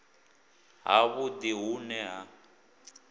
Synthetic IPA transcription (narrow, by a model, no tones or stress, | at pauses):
ɦa̰βʊd̪iɦunɛɦa